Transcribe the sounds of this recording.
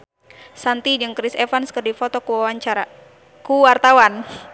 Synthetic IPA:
sant̪id͡ʒɨŋkɾisɛfanskərdifɔt̪ɔkuwawaɲt͡ʃaa | kuwart̪awan

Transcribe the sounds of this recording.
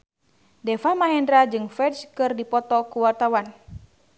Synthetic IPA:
dɛfamaɦɛndɾad͡ʒɨŋfɛdskɨrdipɔt̪ɔkuwart̪awan

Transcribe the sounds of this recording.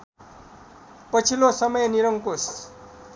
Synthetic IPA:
pʌt͡sʰilosʌmʌjniɾʌŋkos

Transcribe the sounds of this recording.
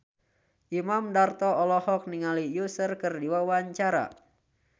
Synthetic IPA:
ʔimamdart̪ɔɔlɔhɔk̚niŋalijusərkɨrdiwawaɲt͡ʃaɾa̰

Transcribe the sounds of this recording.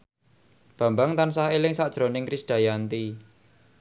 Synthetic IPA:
b̥ä̤mbaŋt̪ansahelɪŋsaʔd̥ʒ̥ɾonɪŋkɾisɖ̥a̤jant̪i

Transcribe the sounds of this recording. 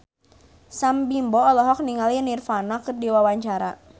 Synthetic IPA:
sambimbɔɔlɔɦɔk̚niŋalinirfanakɨrdiwawaɲt͡ʃaɾa̰

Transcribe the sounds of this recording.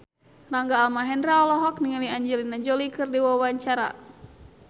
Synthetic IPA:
raŋɡaːlmaɦɛndɾaɔlɔɦɔkniŋəliaɲd͡ʒɛlinad͡ʒɔlikɨrdiwawaɲt͡ʃaɾa̰

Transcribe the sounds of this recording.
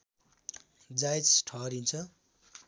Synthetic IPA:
d͡zajt͡sʈʰʌɾint͡sʰʌ

